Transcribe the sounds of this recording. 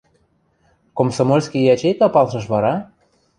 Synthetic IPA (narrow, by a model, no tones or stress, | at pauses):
komsomolʲskʲijɑt͡ɕejkɑpɑlʃɤ̆ʃ̬βɑɾɑ